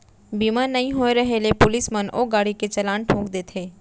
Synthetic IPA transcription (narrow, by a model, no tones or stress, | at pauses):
biːmaːɾnɐɦĩɦoːeɾɐɦelepʊlɪsməno̰ːɡaːɽiket͡ʃɐlaːnʈʰõːkd̪eːt̪ʰeː